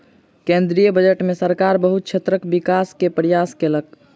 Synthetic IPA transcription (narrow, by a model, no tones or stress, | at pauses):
kẽnd̪ɾijəbəd͡ʒəʈmesəɾkaɾbəɦut̪̚t͡ʃʰet̪ɾəkbikaskepəɾijaskelək̚